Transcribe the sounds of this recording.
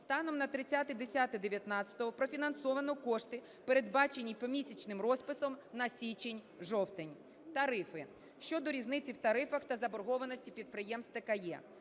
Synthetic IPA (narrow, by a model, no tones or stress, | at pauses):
st̪ɑnɔmnɐt̪ɾɪt͡sʲːat̪ɪd̪esʲat̪ɪd̪eʋʲjɐt̪nɑt͡sʲɐ̥t̪ɔɦɔpɾɔfʲinɐnsɔʋɐnɔkɔʃt̪ɪ | peɾed̪bɑt͡ʃenʲːipɔmʲisʲɐt͡ʃnɪmrɔspɪsɔmnɐsʲit͡ʃenʲ | ʒɔwt̪enʲ | t̪ɐɾɪfɪ | ʃt͡ʃɔd̪ɔɾʲiznɪt͡sʲiwt̪ɐɾɪfɐxt̪ɐzɐbɔrɦɔʋɐnɔsʲtʲipʲid̪̚pɾɪjɛmst̪ɐkɐjɛ̰